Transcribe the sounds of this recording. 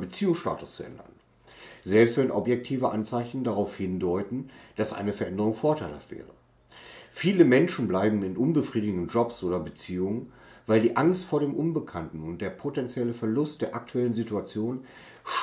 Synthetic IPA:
bət͡siːʊŋsʃta̰ːtʊst͡suʔɛ̰ndɐ̰n | zɛlpstv̥ɛnʔɔ̰pjɛk̚tʰiːvəʔa̰nt͡saɪçn̩daʁaʊfhɪndɔʏtn̩d̥asʔa̰ɪnəfɛɐʔɛndəʁ̞ʊŋfoːɐtʰaɪlha̰ftv̥ɛ̰ːʁ̞ə | fiːləmɛnʃn̩blaɪbm̩ɪnʔʊnbəfʁ̥iːdɪɡ̩dn̩d͡ʒɔpsʔoːdɐbət͡siːʊŋən | vaɪldiːʔaŋstfoːɐɾdeːmʔʊnbəkʰantn̩ʊnt̚d̥eːɐpʰotɛnt͡sjɛləfɛɐlʊstd̥eːɐʔak̚tʰuɛlənzituat͡sjoːn | ʃ

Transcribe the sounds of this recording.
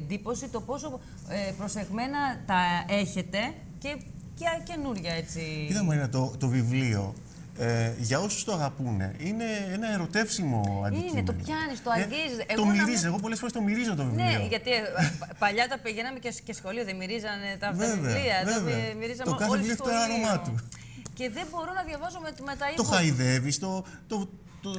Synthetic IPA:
nd̪ipo̞sit̪o̞po̞so̞ | epɾose̞ɣme̞nɐt̪ɐe̞çe̞t̪e̞ | ce̞ | cce̞nuɾʝɐe̞t͡siit̪ɐmɐinɐt̪ot̪o̞vivlio̞̰ | eʝɐo̞su̥st̪oɐɣɐpune̞̰ine̞enɐe̞ɾo̞t̪e̞fsimo̞̰ɐ̰ndinet̪opçɐnist̪oɐɟizeɣt̪o̞mmiɾizeɣo̞p̬o̞lesfoɾest̪omiɾizo̞t̪ovivleioʝɐt̪ipɐʎɐt̪ɐpiʝenɐmececesxo̞lioðemiɾizɐnet̪ɐvveveɐiɐveveɐmiɾizɐt̪okɐθeivliot̪oɾɐɾomɐt̪u | ce̞ðe̞bo̞ɾunɐðʝɐvɐzummet̪ɐit̪oxɐiðe̞vist̪o̞t̪o

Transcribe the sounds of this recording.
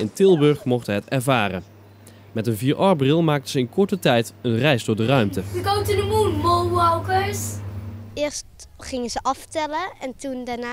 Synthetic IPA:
ɪntɪlˠbɵɹχmɔχtəɦɛtɛɹvaːrə | mɛtənviːɹʔɑɹbrɪlˠmaːk̚təzəɪnkɔɹtətɛjtənrɛjzdʊːɹdərœɥmtəʋiɡotudəmunmolˠʋɔwkəɹs | ɪːɹstχɪŋəzəʔɑfətɛləɛntundaɹna

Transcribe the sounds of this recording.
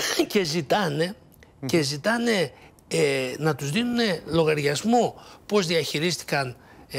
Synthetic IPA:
ce̞zit̪ɐne̞ | ce̞zit̪ɐne̞ | enɐt̪uzðinune̞lo̞ɣɐɾʝɐzmopo̞zðiɐçiɾist̪i̥kɐn

